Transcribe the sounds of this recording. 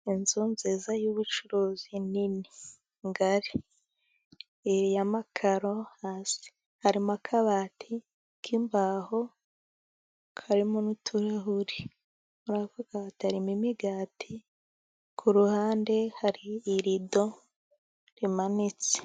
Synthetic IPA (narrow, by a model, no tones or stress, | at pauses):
inzunzeːzajuβut͡ʃuɾoːzinini | ŋɡaɾi | ɾijamakʰaɾo̞haːsi̥ | haɾimakʰaβaːtʰi | kʰimbaho | kʰaɾimonutʰuɾaɦuɾi | uɾavuɡ̥aːtaɾimimiɡaːtʰi | kʰuɾuhaːnde̞haɾiːɾido̞ | ɾimanit͡se̥